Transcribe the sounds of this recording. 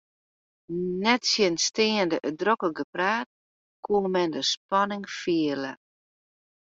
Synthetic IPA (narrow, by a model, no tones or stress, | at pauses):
nɛtsjənstɪəndəʔədrokəɡəpraːt̚ | kʰuəmɛndəspɔnɪŋfiələ